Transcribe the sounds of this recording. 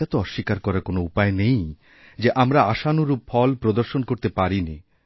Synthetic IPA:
at̪oɔʃːikaɾkɔɾakonoupaenej | d͡ʑeʔamɾaaʃanuɾupfʰɔlpɾod̪oɾʃonkoɾt̪epaɾini

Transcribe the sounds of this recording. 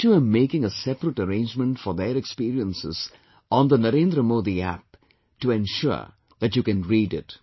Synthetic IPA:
t͡ʃuəmeːkɪ̃ŋəsɛpəɾəʈəɾẽɪ̃nd͡ʒmə̃nʈfɔɾd̪eɾɛkspiːɾiə̃nsɪ̰z̥ | ɔ̃nd̪ənəɾẽːnd̪ɾəmoːd̪iæ̰p̚ | ʈuɛ̃nʃʊ̰ɹ | ðæʈjukɨ̃nɹiːɖɪ̰t

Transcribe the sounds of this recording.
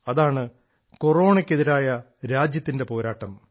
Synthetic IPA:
ɐðaːɳɨ | ko̞ro̞ːɳekʲːe̞ðiɾaːjɐ | ɾaːd͡ʑjɐt̪ːinde̞po̞ːɾaːʈːɐm

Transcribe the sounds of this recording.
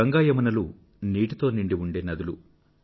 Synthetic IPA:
ɐŋɡaːjɐmɐnɐlu | niːʈit̪o̞ːniɳɖiʋuɳɖeːnɐd̪ulu

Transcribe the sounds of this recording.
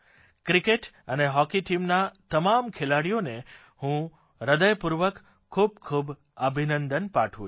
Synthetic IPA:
kɾikeʈ | əneɦɔkiʈimnat̪əmamkʰelaɽijone | hũ | ɾəd̪əjpuɾʋək | kʰːub̚kʰub | əbʱinənd̪ənpaʈʰṵ̃

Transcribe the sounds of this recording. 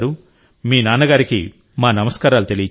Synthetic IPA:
ɾu | miːnaːnɐɡaːɾikḭ | maːnɐmɐskaːɾaːlut̪e̞lij

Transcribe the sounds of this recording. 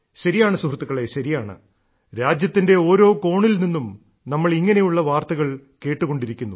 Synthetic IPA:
ɕɐɾijaːɳɨsuhrɐt̪ːuɣɐɭe̞ɕɐɾijaːɳɨ̰ | ɾaːd͡ʑjɐt̪ːinde̞o̞ːɾo̞ːko̞ːɳilninːum | nɐmːɐɭiŋːɐne̞juɭːɐʋaːrt̪ɐɣɐɭke̞ːʈːuɣo̞ɳɖiɾikʲːunːu

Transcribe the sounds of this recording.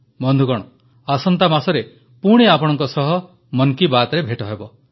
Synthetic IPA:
mɔnd̪ʱukɔɽ̃ɔ | asɔnt̪amasɔɾe | puɽ̃eapɔɽ̃ɔŋkɔsɔɦɔ | mɔŋkibat̪ɔɾebʱeʈɔɦebɔ

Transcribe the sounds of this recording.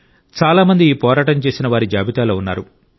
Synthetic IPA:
t͡ʃaːlaːmɐnd̪iːpɔːɾaːʈɐnt͡ʃe̞ːsinɐʋaːɾid͡ʒaːbit̪aːloːunːaːɾu

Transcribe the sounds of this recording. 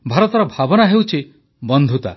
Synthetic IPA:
bʱaɾɔt̪ɔɾɔbʱabɔnaɦewt͡ʃʰi | bɔnd̪ʱut̪a̰

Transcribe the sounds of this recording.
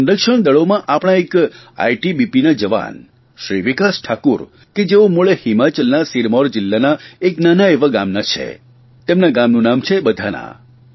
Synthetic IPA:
ənɾəkʃəɳ̃d̪əɭomãʔapɽ̃ãeka̰jʈibipinad͡ʒəʋa̰n | ʃɾiʋikasʈʰakuɾ | ked͡ʒeomuɭehɪmat͡ʃəlnasiɾmɔɾd͡ʒɪlːanaeknanaeʋaɡamnat͡ʃʰḛ | t̪emnaɡamnũnamt͡ʃʰebəd̪ʱana̰

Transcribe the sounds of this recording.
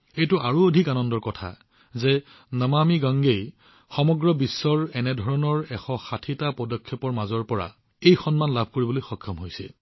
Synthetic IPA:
ejtʊʔaɹuodʱikanɔndɔɹkɔtʰa̰ | zɛ | namamiɡaŋɡej | xɔmɔɡɹɔbisːɔɹɛnɛdʱɔɹɔnɔɹɛxɔxatʰitapɔdɔkʰːjɔpɔɹmazɔɹpɔɹa̰ | ejxɔnmanlabʱkoɹibolojxɔkʰːɔmɦojsɛ̰

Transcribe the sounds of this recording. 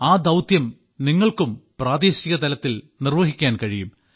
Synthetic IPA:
aːd̪ɐwt̪jɐm | niŋːɐɭkumpraːd̪iːɕiɣɐt̪ɐlɐt̪ːil | nirʋɐɦikʲːaːnkɐɻijum

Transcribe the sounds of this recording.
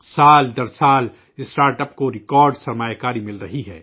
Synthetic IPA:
saːld̪ɐɾsaːl | ɪsʈaːɾʈɐp̚koɾɪkɔːɾɖsɐɾmaːjakaːɾimɪlɾɐɦiɦɛː

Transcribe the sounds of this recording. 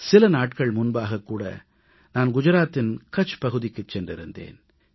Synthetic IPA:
sɪlɐnaːʈkɐɭmʊnbaːɣɐkːuːɽɐ̰ | naːnɡʊd͡ʒɐɾaːt̪ːɪnkɐt͡ʃːpɐɣɯðɪkːɯt͡ʃːɛndrɪɾɯnd̪ḛːn

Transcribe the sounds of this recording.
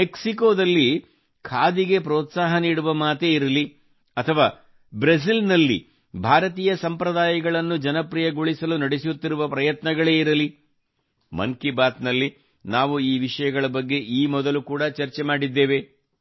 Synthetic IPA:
meksikoːd̪ɐlːi | kʰaːd̪iɡe̞pɾɔːt̪saːɦɐniːɽuʋɐmaːt̪e̞ːiɾɐli | ɐt̪ʰɐʋaː | bɾɐs̬ilnɐlːḭ | bʱaːɾɐt̪iːjɐsɐmpɾɐd̪aːjɐɡɐɭɐnːud͡ʒɐnɐpɾijɐɡuɭisɐlunɐɽesjut̪ːiɾuʋɐpɾɐjɐt̪nɐɡɐɭe̞ːiɾɐli | mɐ̰ŋkibaːt̪nɐlːi | naːʋuiːʋiʂɐjɐɡɐɭɐbɐɡːe̞ʔiːmɔd̪ɐlukuːɽɐt͡ʃɐɾt͡ʃemaːɽid̪ːe̞ːʋe̞

